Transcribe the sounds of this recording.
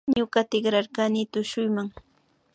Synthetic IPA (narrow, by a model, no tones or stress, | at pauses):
ɲʊkat̪ɪkɾaɾkanɪt̪ʊʃʊjmaŋ